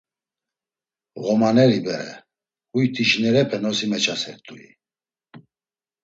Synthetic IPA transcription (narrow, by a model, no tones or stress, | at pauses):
ɣɔmanɛɾibɛɾɛ̰ | ujt̪ʰiʃnɛɾɛpʰɛnɔsimɛt͡ʃʰasɛɾt̪ʼuḭ